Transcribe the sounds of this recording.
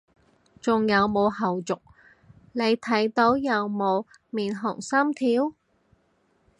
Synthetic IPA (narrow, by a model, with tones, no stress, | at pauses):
t͡sʊ˨ŋjɐ˨˧wmo˨˧whɐ˨˩wt͡sʊ˨k̚ | ne˨˧jt̪ʰɐ˨˥jt̪o˨˥wjɐ˨˧wmo˨˧w | miː˨nɦʊ̰˨˩ŋsaː˥mt̪ʰiː˨˥w